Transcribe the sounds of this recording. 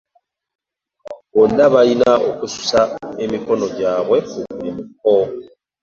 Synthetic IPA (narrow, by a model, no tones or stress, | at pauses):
βondaβainaokusu̥sae̞miko̞no̞ɟaːβwe̞kuemik̚o